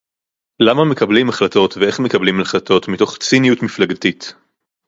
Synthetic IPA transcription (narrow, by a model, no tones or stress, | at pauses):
lamame̞kɐblimaχlato̞tvee̞χmekɐblimalχlato̞tmito̞χt͡sinijutmiflaɡatit